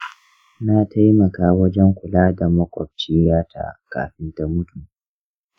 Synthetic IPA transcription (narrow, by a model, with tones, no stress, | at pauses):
na˦tʰa˦jmɐ˨kaː˦wɐ˦d͡ʒɛ˦ŋkʷʊ˨laː˦da˨mɐ˦kʷʼɔ̰˨b̚t͡ʃiː˦jaː˦tʰa̰˨ka̰ː˨ɸɪ˦nta˦mʊ˦tu˨